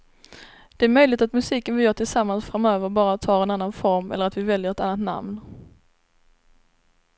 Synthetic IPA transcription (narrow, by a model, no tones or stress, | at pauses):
d̪̥ɛæɾmœjlɪt̪at̪mɵsiːkənvɪjœːʈʰɪlsamːansfɾamøːvəɾbɑːɾat̪ʰɑːɾɛnanːanfɔɾmɛ̰lːəɾat̪vɪvɛljəɾɛt̪anːat̪na̰mn